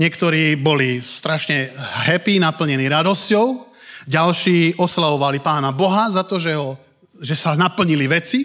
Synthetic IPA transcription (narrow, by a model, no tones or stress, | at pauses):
ɲɪɛkt̪ɔɾiːbɔlist̪ɾaʃɲɛɦɛpiːnapl̩ɲɛniːɾad̪ɔscɔʊ | ɟalʃiːɔslaʋɔʋalipaːnabɔɦazat̪ɔʒɛɦɔ | ʒɛsanapl̩ɲiliʋɛt͡si